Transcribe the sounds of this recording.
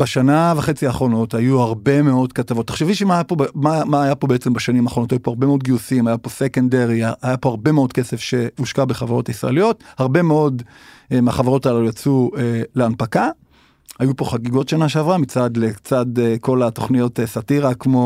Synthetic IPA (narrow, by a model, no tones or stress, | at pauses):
b̥eʃanaveχet͡siaːχʁo̞no̞tajuhaʁbe̞me̞o̞dkatavo̞t̪ːḁχʃeviʃemajapobmamaːjapo̞be̞et͡se̞mbaʃanimaːχonot̪ajupoaʁbe̞meod̪ɡiusimajapo̞sekendeʁiaajapo̞aʁbe̞meo̞dke̞sefʃe̞uʃkabeχavaʁo̞taisʁa̰elijo̞thaʁbe̞meo̞d̪ | emaχavaʁo̞talaujat͡sueleanpaka | ajupo̞χaɡiɡo̞tʃanaʃeavʁamit͡sad̪let͡sad̪ko̞lato̞χnijo̞tesatiʁakmo̞